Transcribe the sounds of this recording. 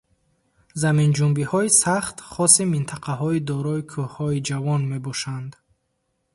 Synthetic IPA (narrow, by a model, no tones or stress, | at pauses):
zamind͡ʒumbihɔisaχt̪χɔsimint̪ʰaqʰaɦɔid̪ɔɾɔikʰuhhɔid͡ʒavɔnme̞bɔʃand̪